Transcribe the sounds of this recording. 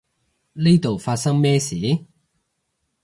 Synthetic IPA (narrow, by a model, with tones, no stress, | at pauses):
ni˥jt̪o˨wfaː˧t̚sɐ˥ŋmɛː˥siː˨˦